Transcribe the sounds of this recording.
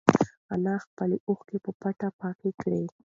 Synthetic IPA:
anɑxpəleʔoxkepəpaʈapɑkekɽe

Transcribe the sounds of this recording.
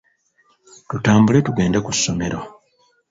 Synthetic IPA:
tutaːmbule̞tuɡe̞ːndakusːo̞me̞ɾo̞

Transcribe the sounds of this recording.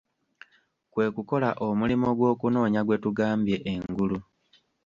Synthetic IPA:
kwe̞ːkuko̞laʔomulimo̞ɡwo̞ːkuno̞ːɲaɡwe̞tuɡaːmbje̞ʔːŋɡulu

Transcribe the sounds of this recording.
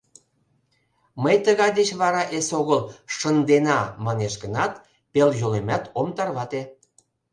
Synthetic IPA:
məjt̪əɣɑjd̪et͡ɕβɑɾɑʔesoɣəlʃənd̪enɑmɑneʃɣənɑt̪ | peljolemʲæt̪omt̪ɑrβɑt̪e

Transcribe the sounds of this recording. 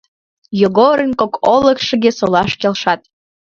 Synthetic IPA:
joɣoɾənkokoləkʃəɣesolɑʃkelʃɑt̪

